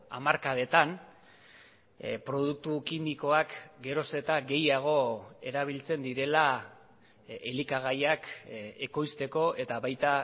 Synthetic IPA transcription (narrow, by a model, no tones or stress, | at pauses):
a̰maɾkað̞e̞t̪an | pɾo̞ð̞uk̚t̪ukimiko̞akɡe̞ɾo̞se̞t̪aɡe̞jaɣ̞o̞e̞ɾaβ̞ilt͡se̞nd̪iɾe̞la | elikaɣajake̞ko̞jst̪e̞ko̞e̞t̪aβajt̪a